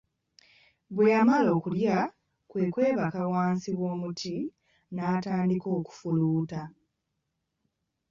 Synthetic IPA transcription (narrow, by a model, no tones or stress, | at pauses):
bwe̞jamalo̞ːkulja | kwe̞ːkwe̞ːβakawaːnsiwo̞ːmutʰi | naːtaːndiko̞ːku̥fuluːta